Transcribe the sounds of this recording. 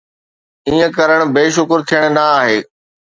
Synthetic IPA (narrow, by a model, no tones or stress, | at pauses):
iːə̃kɐɾəɽ̃̆beːʃ̬ʊkɾt̪ʰijəɽ̃naaːɦeː